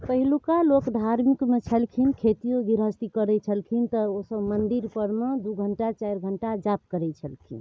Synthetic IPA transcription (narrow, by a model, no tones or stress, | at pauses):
pəɦilukalokd̪ʱaɾmikmet͡ʃʰəlkʰinkʰet̪ijoɡiɾɦəst̪ikəɾɛt͡ʃʰəlkʰint̪ɔosəbmənd̪iɾpəɾmed̪uɡʱəɳʈat͡ʃajɾɡʱəɳʈad͡ʒap̚kəɾɛt͡ʃʰəlkʰḭn